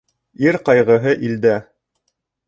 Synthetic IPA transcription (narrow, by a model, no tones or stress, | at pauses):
iɾqɑjʁɤ̆ɦɤʔild̪æ